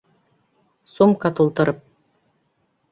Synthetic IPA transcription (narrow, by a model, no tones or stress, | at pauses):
sumkat̪ulˠt̪ɤ̆ɾɤp̚